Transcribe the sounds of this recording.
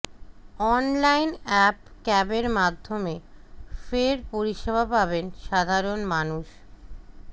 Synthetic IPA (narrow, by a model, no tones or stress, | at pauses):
ɔnlajnɛpkɛbeɾmad̪ʱːomefeɾpoɾiʃebʱapabenʃad̪ʱaɾonmanuʃ